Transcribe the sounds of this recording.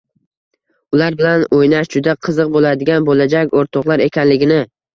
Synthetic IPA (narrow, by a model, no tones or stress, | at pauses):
ʊlaɾbɪlanojnaʃd͡ʒʊd̪aqʰɨzɨq̚bolad̪ɪɡʲanbolad͡ʒakʲoɾt̪ʰɒqlˠaɾe̞kʲʰanlɪɡʲɪnɪ